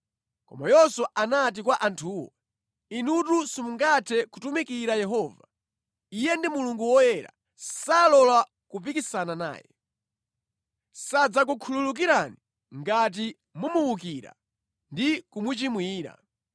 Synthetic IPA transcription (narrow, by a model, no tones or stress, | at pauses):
kɔ̰ma̰jɔsɔʔanat̬ikwaʔantʰuːwɔ̰ | inutusimuŋɡatʰɛkutumikiɾajɛɦɔːva | ijɛndimuluŋɡuwɔjɛɾa̰ | salɔla | kup̬ikisanana̰ːjɛ̰ | sad͡zak̬ukʰululuk̬iɾani | ŋɡat̬i | mumuwuk̬iɾa̰ | ndikumut͡ʃimwiːɾa̰